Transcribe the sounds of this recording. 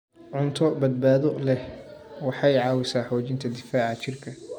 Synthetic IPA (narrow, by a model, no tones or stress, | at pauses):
ʕʊnt̪ʰɔbɐd̪̚baːðɔlɛhwɑħɑjʕɑːwɪsaːħɔːt͡ʃɪnt̪ʰɐd̪ɪfaːʕɑt͡ʃɪrkʰɐ